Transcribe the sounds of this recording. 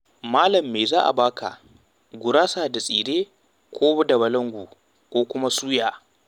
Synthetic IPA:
maː˦lɐ˨mːeː˨zaː˦ʔa̰˨baː˦ka̰˨ | ɡʷʊ˨ɾaː˦saː˨da˨sʼiː˨ɾeː˦ | kʷʰoː˦bɐ˦dɐ˨βɐ˨lɐ˦ŋɡʷu˨ | kʷoː˦kʷʊ˦ma˦suː˦jaː˨

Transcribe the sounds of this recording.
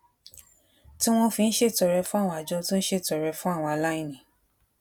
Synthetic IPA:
ti˦w̃ɔ̃˦fĩ˧n̩˦ʃe˦˨tɔ˨ɾɛ˧fũ˦a˦˨wɔ̃˧a˨d͡ʒɔ˧tũ˦n̩˦ʃe˦˨tɔ˨ɾɛ˧fũ˦a˦˨w̃ɔ̃˧a˨la˦ĩ˦˨nĩ˨˦

